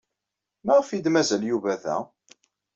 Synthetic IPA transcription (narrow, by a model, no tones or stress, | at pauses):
mæʁfid̪mæzæljuvæðæ̰